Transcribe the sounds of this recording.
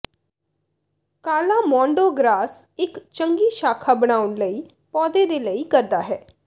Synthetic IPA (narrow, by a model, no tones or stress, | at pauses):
kaːlaːmɔ̃ːɳɖoːɡɾaːsɪkt͡ʃəŋɡiːʃaːkʰaːbəɽ̃aːʊnləiː | pɔːd̪eːd̪eːləiːkəɾd̪aːɦɛː